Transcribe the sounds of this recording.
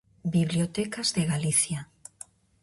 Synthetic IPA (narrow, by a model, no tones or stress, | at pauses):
biβliot̪ekazðeɣaliθja